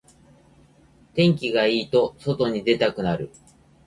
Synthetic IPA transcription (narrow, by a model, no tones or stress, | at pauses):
t̪ẽ̞ŋk̬ʲiɡaiːt̪o̞so̞t̪o̞ɲ̟id̪e̞t̪akɯ̟naɾɯ̟